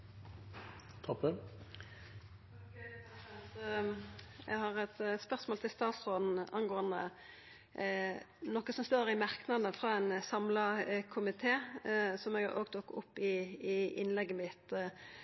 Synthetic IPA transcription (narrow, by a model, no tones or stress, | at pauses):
t̪ʰɔpə | t̪ | ɛ̰ɡhɑʁɛt̪spœʁsmoːlt̪ʰɪlst̪ɑːt̪sʁoːd̪n̩ɑ̰nɡoːənd̪ə̰ | nɔkːəsɔmst̪oːɾɪmɑʁknɑd̪əfʁɑːɛnsɑmlɑkʰʊmɪt̪ʰeːsɔmɛɡɑʔoːɡt̪ʰʊkːʊ̰pːɪːɪ̰nlɛɡːəmɪt̪